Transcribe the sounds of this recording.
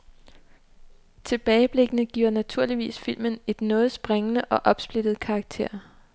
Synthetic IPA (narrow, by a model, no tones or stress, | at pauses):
t͡sʰe̝b̥ɛːɪəb̥le̝ɡ̥ənəɡ̥ḭːɐnæt͡sʰuɐ̰liʋḭːsfil̰məne̝d̥nɔ̽ːð̞̩ˠsb̥ʁeŋənəʔɒ̽ʔɒ̽b̥sb̥led̥ð̩ˠkʰɑ̈ːɡ̥̚t͡sʰe̝̰ɐ̰